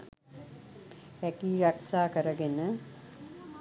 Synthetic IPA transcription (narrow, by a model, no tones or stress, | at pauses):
ækiːɾaksaːkəɾəɡenə